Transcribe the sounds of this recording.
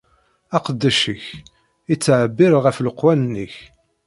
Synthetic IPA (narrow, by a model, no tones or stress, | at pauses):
ɑqəd̪ːæʃəç | it͡sːʕbːiɾʁəfləqwænnːəç